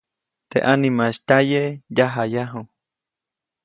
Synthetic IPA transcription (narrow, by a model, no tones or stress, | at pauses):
t̪ḛʔanĩmãʃt̪ajejaɦajaɦu